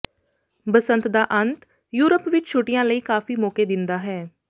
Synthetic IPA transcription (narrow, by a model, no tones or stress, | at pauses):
bəsə̃nt̪d̪aːʔənt̪ | juːɾəpʋɪt͡ʃt͡ʃʰʊʈɪjãːləiːkaːfiːmɔːkeːd̪ɪnd̪aːɦɛː